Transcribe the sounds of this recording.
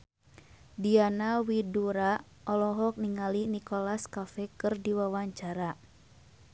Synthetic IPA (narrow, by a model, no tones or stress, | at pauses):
dianawiduɾa | ʔɔlɔɦɔk̚niŋalinikɔlaskafɛkɨrdiwawaɲt͡ʃaɾa